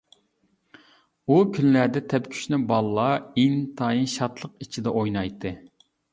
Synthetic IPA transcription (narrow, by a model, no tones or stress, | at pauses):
ukʲʰynlæɾd̪ɛt̪ʰɛpkʲʰy̥ʃnɪbɑlˠːɑiŋt̪ʰɑːjinʃɑt̪lˠəqit͡ʃʰid̪ɛʔojnɑjt̪ʰːɨ